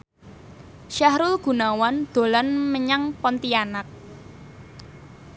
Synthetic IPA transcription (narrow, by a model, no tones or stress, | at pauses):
ʃahɾʊlɡ̥ṳnawand̪̥o̤lanməɲaŋpɔnt̪ianak̚